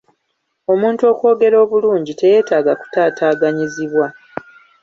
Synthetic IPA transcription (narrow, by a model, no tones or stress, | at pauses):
o̞muːntuo̞kwo̞ːɡe̞ɾo̞ːβuluːɲɟite̞je̞ːtaːɡaku̥taːtaːɡaɲiziβwa